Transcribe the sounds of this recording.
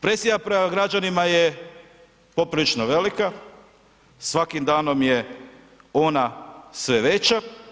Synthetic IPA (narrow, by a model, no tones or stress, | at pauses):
pɾesijapɾemaɡɾad͡ʑanimaje | po̞pɾilit͡ʃnoʋe̞lika | sʋakimd̪aːno̞mje | o̞nasʋe̞ʋe̞t͡ɕa